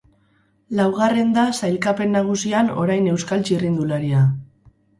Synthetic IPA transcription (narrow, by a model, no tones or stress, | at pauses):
lawɣ̞are̞nd̪asajlkape̞nːaɣ̞usiano̞̰ɾajne̞wskalt͡ʃirind̪ulaɾia